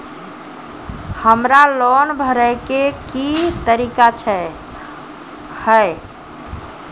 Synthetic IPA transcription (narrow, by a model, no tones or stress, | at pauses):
həmɾalɔnbʱəɾəjkekit̪əɾikat͡ʃʰɛ | həj